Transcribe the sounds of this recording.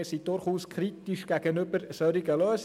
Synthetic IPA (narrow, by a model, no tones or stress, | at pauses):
sid̥ʊɾχuːskʰɾitiʃɡ̥æɡ̥ənʏbəɾsœɾiɡəløːs